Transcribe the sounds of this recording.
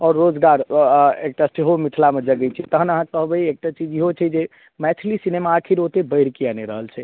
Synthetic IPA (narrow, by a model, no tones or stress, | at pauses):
ɔːɾːod͡ʒɡaɾek̚ʈasʈeɦomit̪ʰlamed͡ʒəɡɛt͡ʃʰɛt̪əɦənəɦãkəɦbəiek̚ʈat͡ʃid͡ʒiɦot͡ʃʰɛd͡ʒe | mɛt͡ʃʰlisinemaːkʰiɾɦot̪ebəɾkianeɾəɦəlt͡ʃʰɛ